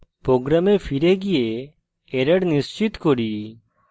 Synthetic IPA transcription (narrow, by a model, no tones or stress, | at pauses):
pɾoːɡɾamepʰiɾeɡije | eɾəɽnɪst͡ʃɪt̪kɔɾiː